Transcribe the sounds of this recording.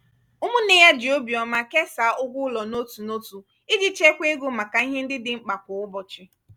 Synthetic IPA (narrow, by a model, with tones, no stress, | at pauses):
ʊ˦mʊ˦ne˦ja˦d͡ʒɪ˨o˦bi˨ɔ˨ma˦ke˦sa˨˦ʊ˦ɡʷʊ˦lɔ˨no˦tu˨no˦tu˨ | ɪ˦d͡ʒɪ˦t͡ʃe˦kʷe˦e˦ɡo˦ma˨ka˨i˦ɦe˦n̩˦dɪ˦dɪ˦ŋ͡m̩˦k͡pa˨kʊ˨ʊ˦bɔ˨t͡ʃɪ˦